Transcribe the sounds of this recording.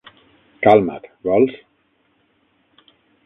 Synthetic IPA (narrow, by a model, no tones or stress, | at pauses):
kalma̰t̪vɔls